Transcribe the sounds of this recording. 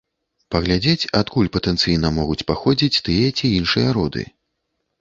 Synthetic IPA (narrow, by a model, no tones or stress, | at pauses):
pɐɣlʲad͡zʲet͡sʲat̪kulʲpɐt̪ɛnt̪sɨjnɐmɔɣut͡sʲpaxɔd͡zʲit͡sʲt̪ɨjɐt͡sʲiinʂɨjɐɾɔd̪ɨ̰